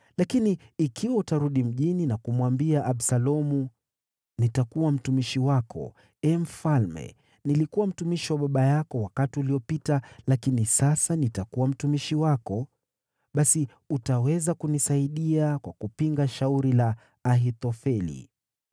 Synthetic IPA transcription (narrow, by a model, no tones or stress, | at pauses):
lakiniːkʰiwautaɾuɗim̩ʄininakumwambiaʔaɓsalɔmu | nitakuwam̩tumiʃiwakɔ̰ | ɛm̩falmɛ̰ | nilikuwam̩tumiʃiwaɓaɓajakɔwakatiuliɔpitalakinisasanitakuwam̩tumiʃiwakɔ | ɓasi | utawɛzakunisaiɗiakwakupiŋɡaʃauɾilaː | ɦit̪ɔfɛlḭ